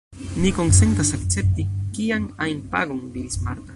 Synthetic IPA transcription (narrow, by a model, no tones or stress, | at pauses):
nikonsent̪asakt͡sep̚t̪ikːiaŋajnpa̰ɡoŋd̪iɾisma̰ɾt̪ḁ